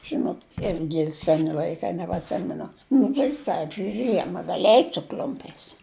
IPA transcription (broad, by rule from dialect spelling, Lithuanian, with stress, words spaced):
ˈʒʲɪnoːt ˈɪrʲɡʲɪ ˈsʲæːnʲɪ lʲɐɪˈkɐɪ nʲɛbɐtʲˈsʲɪmʲɛnʊ ˈnʊ tɐɪ ˈprɑːd͡ʒʲʊj ˈʒʲiɛmɐ ˈɡɑːlʲɪ ˈɛɪtʲ sʊ ˈklʲʊmʲpʲɛɪs